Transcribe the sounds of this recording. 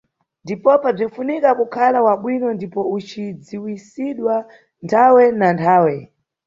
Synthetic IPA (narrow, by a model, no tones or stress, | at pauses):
ndipɔpab͡ʐinfunikakukʰalawaɓwinɔndipɔut͡ʃid͡ziwisiɗwa | ntʰawɛnantʰaːwɛ